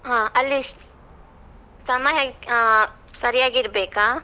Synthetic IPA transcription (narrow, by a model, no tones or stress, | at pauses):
ɦãːɐlːi | sɐmɐjɐ | sɐɾijaːɡiɾbeːkaː